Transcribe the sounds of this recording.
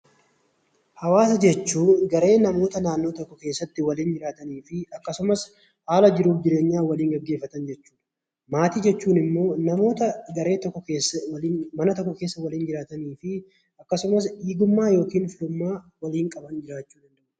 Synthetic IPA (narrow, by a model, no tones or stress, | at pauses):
hɐwaːsɐd͡ʒɛt͡ʃːuːɡɐɾe̞ːnɐmo̞ːt̪ɐnaːnːo̞ːt̪ɔkːɔke̞ːsːɐt̪ːɪwɐliːnd͡ʒɪɾaːt̪ɐniːfɪɐkːɐsʊmɐs | haːlɐd͡ʒɪɾuːfd͡ʒɪɾe̞ːɲːaːwɐliːŋɡɐɡːe̞ːfːɐt̪ɐnd͡ʒɛt͡ʃːu̥ːᶑɐ̥ | maːt̪iːd͡ʒɛt͡ʃːuːnɪmːo̞ːnɐmo̞ːt̪ɐɡɐɾe̞ːt̪ɔkːɔeːsmɐnɐt̪ɔkːɔkeːsːɐwɐliːnd͡ʒɪɾaːt̪ɐniːfɪ | ɐkːɐsʊmɐsiːɡʊmːaːjo̞ːkiːnfɪlʊmːaː | wɐliːŋkʼɐbɐnd͡ʒɪɾaːt͡ʃːuːd̪ɐnd̪ɐʔʔ